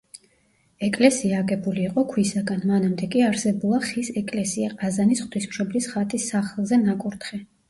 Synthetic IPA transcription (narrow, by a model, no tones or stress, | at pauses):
ɛkʼlɛsiaːɡɛbuliːqʼɔkʰwisaɡanmanamd̪ɛkʼiaɾsɛbulˠaχisɛkʼlɛsiaqʼazanisχt̪ʰwismʃɔblisχat̪ʼisːaχlˠzɛnakʼuɾt̪χɛ